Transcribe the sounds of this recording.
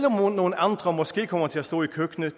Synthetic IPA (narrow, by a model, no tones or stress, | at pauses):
lɔmonːoːn̩ɑnd̪̥ʁɐmɔsɡ̥e̝̰ːkʰɒmɐtʰelæst̪o̰ːikʰøɡ̥nə